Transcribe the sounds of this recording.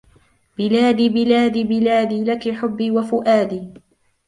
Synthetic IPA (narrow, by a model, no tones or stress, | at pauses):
bɪlaːd̪iːbɪlaːd̪ibɪlaːd̪iːlakɪħʊbːiːwafʊʔaːd̪iː